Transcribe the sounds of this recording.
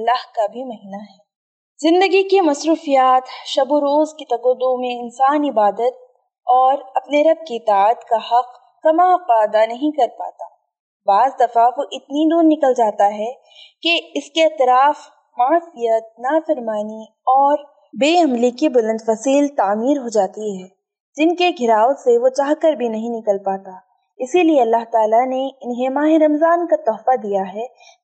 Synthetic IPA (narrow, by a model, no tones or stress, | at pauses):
ɐlːaːɦkabʱimɐɦiːnaɦɛː | zɪ̃nd̪əɡikemɐsɾuːfijaːt̪ʃɐboɾoːzkit̪ɐɡod̪omẽɪnsaːnɪbaːd̪ət̪̚ | ɔːɾɐpneɾɐb̚kiɪt̪aːət̪kahɐq | kɐmaqaːd̪anɐɦĩkɐɾpa̰ːt̪a̰ː | baːzd̪ɐfaʋoʔɪt̪nid̪oːɾnɪkəld͡ʒaːt̪aɦɛ | keɪskeɪt̪ɾaːf | maːsijət̪̚naːfɐɾmaːni | ɔːɾ | beːɐ̃mlikibʊlə̃nd̪fɐsiːlt̪aːmiːɾɦod͡ʒaːt̪iɦɛː | d͡ʒɪnkeɡʱɪɾaːoseʋot͡ʃaːɦkəɾbʱinɐɦĩnɪkəlpaːt̪aː | ɪsilieɐlːaɦt̪aːlaneɪnɦẽmaːɦeɾɐmzaːnkat̪ɔːfad̪ijaɦɛː